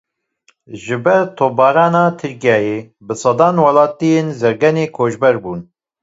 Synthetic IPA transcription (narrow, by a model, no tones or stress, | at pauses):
ʒɨbɛɾt̪ʰoːbɑːɾɑːnɑːt̪ʰɨɾkijɑːjeː | bɨsɑd̪ɑːnwɑlɑːt̪ijenzɛɾɡɛneːkʰoːʒbɛɾbuːn